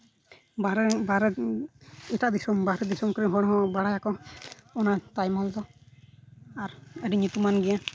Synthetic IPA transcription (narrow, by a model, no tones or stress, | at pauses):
baɾbaɾɛ | ɛtaʔd̪isɔmbaɾɛd̪isɔmkɔɾiɦɔɽɔɦɔbaɽajakɔɔnatajmɔld̪ɔ | aɾədiɲut̪umanɡija